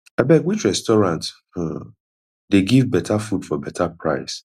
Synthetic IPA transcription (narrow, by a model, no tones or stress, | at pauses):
abɛɡwit͡ʃɹɛstɔɹãnt | h̩ | deɡivbɛtʰafudfɔbɛtʰapɹa̰ɪs